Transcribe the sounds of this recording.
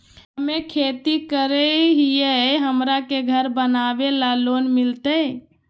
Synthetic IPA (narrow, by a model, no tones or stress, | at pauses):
ɦəmekʰet̪ikəɾəɦijeɦəmɾakeɡʱəɾbənabelalonmilt̪ə